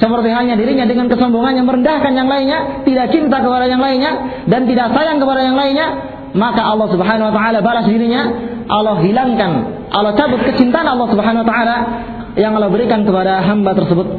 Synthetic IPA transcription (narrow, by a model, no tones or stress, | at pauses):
səpərt̪iɦaɲadiɾiɲadəŋankəsɔmbɔŋanjaŋməɾəndahkanjaŋlainɲat̪idak̚t͡ʃint̪akəpadajaŋlainɲa | dant̪idaksajaŋkəpadajaŋlainɲa | makaʔɑlːɔhsubəɦananwat̪aalabalasdiɾiɲaʔalɔhɦilaŋkan | ʔalɔht͡ʃabʊt̪̚kət͡ʃint̪aanɑlːɔhsubəɦanwat̪aʔala | jaŋalɔhbəɾikankəpadaɦambat̪ərsəbʊt̪̚